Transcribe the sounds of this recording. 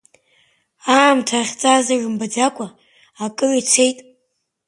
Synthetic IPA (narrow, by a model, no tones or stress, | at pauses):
aːmtʰaχʲt͡sʼazarɨmbad͡zakʷʼʰaː | kʼɨrit͡sʷʰejtʼ